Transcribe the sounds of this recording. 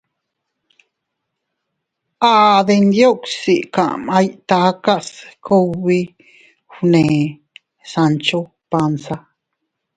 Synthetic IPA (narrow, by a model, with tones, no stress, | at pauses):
aː˧ðe˧nd̪jo˦ksi˨ʔkã˨ʔma˧jt̪aka˦ʔskʰo˧wβi˦ | hnẽ˨ | sant͡ʃo˦ | pa˧nsa˦